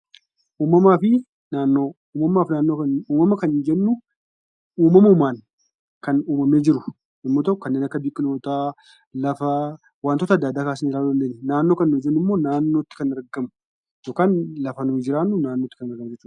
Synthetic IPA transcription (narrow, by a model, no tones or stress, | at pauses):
ʔuːmɐmaːfɪ | naːnːoː | uːmɐmaːfnaːnːo̞ːkɐnuːmɐmɐkɐnnd͡ʒɛnːʊ | uːmɐmɐʊmaːn | kɐnuːmɐme̞ːd͡ʒɪɾʊ | ɪmːot̪ɐkːʊkɐnːeːnɐkːɐbɪkʼːɪnoːt̪a | lɐfɐ | waːnt̪oːt̪ɐd̪ːaːd̪aːkaːsɪnːɪɾaːlːd̪ɐnd̪ɐnɛnaːnːo̞ːkɐnnʊd͡ʒɛnːʊmːo̞ːnaːnːo̞ːt̪ːɪ̥kɐnɐɾɡɐmʊ̥ | joːkaːnlɐfɐnʊd͡ʒɪɾaːnːʊnaːnːoːt̪ːɪ̥kɐnɐɾɡɐmɐd͡ʒɛt͡ʃːuː